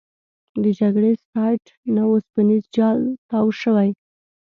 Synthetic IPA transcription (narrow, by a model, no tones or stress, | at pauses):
d̪əd͡ʒaɡɽesɑjʈ | nawospanizd͡ʒɑlt̪ɑwʃəwaj